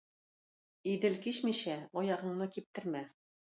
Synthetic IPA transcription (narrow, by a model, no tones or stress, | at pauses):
id̪ɘlkiɕmiɕæɒjɑʁɤ̆ɴnɤkip̚t̪ɘ̆ɾmæ